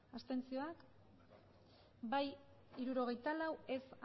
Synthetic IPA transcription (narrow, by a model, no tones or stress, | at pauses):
ast̪e̞nt͡sio̞ak | baj | iɾuɾo̞ɣ̞e̞jt̪alawe̞sa